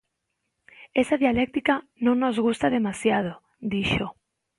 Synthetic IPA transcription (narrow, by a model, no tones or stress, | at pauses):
esaðjalek̚t̪ika | nõŋnozɣust̪aðemasjað̞o | d̪iʃo